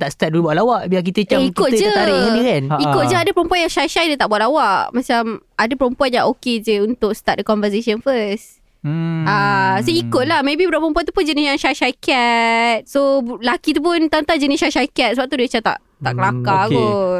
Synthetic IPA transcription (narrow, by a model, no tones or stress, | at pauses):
t̪aʔst̪at̪̚dulubuaʔ̪̚lawaʔbiak̬it̪ət͡ʃaikʊt̪̚d͡ʒət̪aɾidikanikʊt̪̚d͡ʒəadəpəɾəmpuanjaŋʃaʃajdət̪aʔbwat̪̚lawaʔmãt͡ʃamadapəɾəmpuanjãŋʔoked͡ʒəunt̪ʊksə̥t̪at̪̚dəkɔnvəs̬esənfəs | asoikʊt̪̚lahmẽbibəɾaʔpəɾəmpuant̪upʊnd͡ʒənɪsjaŋʃajʃajkɛt̪̚solakit̪̬up̬ʊnt̪ant̪ad͡ʒənisʃaʃajkɛt̪̚səbap̚t̪udat͡ʃat̪a̰ʔ | t̪a̰ʔkəlakakɔ